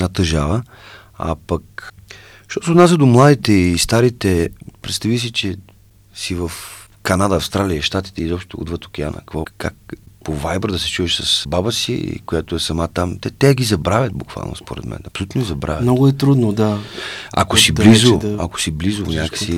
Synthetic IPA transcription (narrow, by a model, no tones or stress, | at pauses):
nat̪əʒavə | a̰pɐk | ʃt̪ɔsoːd̪nasəd̪omlˠad̪it̪ɛist̪aɾit̪ɛpɾɛt̪st̪ɐvis̬it͡ʃɛ | sivəf | kɐnad̪əɐfst̪ɾalʲiəʃt̪at̪i̥t̪ɛizɔpʃt̪ot̪oṵd̪vət̪ok̟ʲɛa̰nə̰kkvoɔkːa̰kpovajbɾd̪ɐsɛ̥t͡ʃuvɛʃsɐsbabəsiḭkojat̪oɛsɐmat̪amt̪ɛt̪ɛɡizɐbɾavʲət̪̚bukv̥a̰lˠno̰spo̰ɾɛ̰d̪mʔɛ̰nɐpsolʲut̪nʊɡizɐbɾa̰vjmtnɔɡʊɛt̪ɾud̪nod̪aa̰kosiblizoako̥siblizovonʲakə̥si